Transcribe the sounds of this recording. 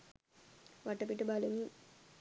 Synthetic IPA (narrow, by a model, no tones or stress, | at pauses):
ʋɐʈːɐp̬ːiʈːɨbɐluŋ